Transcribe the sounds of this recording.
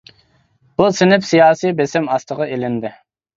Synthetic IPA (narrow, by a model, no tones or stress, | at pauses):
b̥usɪnɪpsijɑːsibesɛmɑst̪ʰəʁɑelɪnd̪ɪ